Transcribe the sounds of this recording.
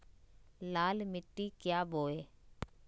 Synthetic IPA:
laːlmɪʈːikjaːboːeː

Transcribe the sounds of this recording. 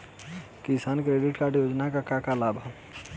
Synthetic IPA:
kɪsaːnkɾeːɖɪʈkaːɾɖjoːd͡ʒnakakakalaːbʱa

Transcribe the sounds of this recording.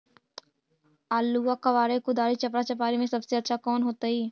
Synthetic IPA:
aːlːuakɐʋaːɾekʊd̪aːɾit͡ʃɐpɾat͡ʃɐp̬aːɾimẽsɐbseɐtːʃʰakɔːnɦoːt̪aɦiː

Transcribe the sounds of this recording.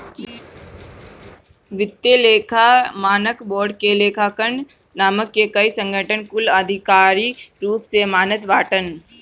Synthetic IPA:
ʋɪt̪ːeleːkʰamaːnəkbɔːɾɖkeleːkʰaːkəɳɖ | naːməkːekəisə̃ŋɡʱəʈʰənkʊləd̪ʱɪkaːɾiɾuːpsemaːnət̪baːʈən

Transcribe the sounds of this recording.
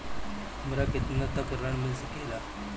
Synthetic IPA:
məɾaket̪nat̪akəɾaɳmənsikela

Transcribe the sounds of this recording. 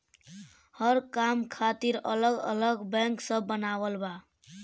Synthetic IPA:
hʌɾkamkʰat̪iɾələɡə̰ləɡbɛ̃ŋksəbːənawəlba

